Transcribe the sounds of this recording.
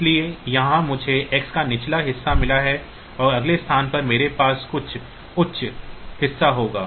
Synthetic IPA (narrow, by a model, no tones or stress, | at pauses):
ɪliejɐɦãmʊd͡ʒʱeʔɛkskanɪt͡ʃʰlaɦɪsːamɪlaɦɛ | ɔːɾɐɡlest̪ʰaːnpɐɾmeːɾepaːskʊt͡ʃʰ | ʊtːʃʰhɪsːaɦoːɡaː